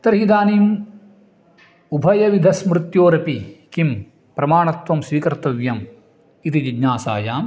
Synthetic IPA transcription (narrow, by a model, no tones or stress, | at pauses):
t̪ɐɾɦid̪aːniːm | ubʱɐjɐʋid̪ʱɐsmɾɨt̪joːɾɐpikim | pɾɐmaːɳɐt̪ʋɐmsʋiːkɐɾt̪ɐʋjɐm | it̪id͡ʒiɡɲaːsa̰ːjaːm